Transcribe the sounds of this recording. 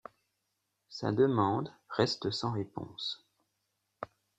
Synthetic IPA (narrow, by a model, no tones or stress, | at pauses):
sa̰d̪əmɑ̃d̪ʁɛst̪əsɑ̃ʁepɔ̰̃s